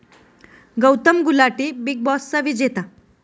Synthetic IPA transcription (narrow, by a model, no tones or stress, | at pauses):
ɡəwt̪əmɡulaʈiːbiɡ̚bɔsːaʋid͡ʑet̪a